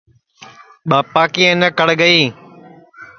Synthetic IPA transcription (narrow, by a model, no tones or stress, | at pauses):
ɓaːpaːkiːenəkəɽɡəiː